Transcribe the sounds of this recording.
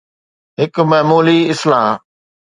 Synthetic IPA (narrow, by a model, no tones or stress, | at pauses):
ɦɪkmɛɦmuːliɪslaː